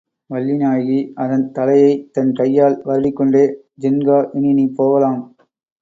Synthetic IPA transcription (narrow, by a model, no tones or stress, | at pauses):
ʋɐɭːɪnaːjɣiɐðɐnt̪ɐlɐjɐɪt̪ɐnkɐjːaːlʋɐɾɽɪkːɔɳɖeː | d͡ʒɪnɡaːʔɪnɪnipoːʋɐlaːm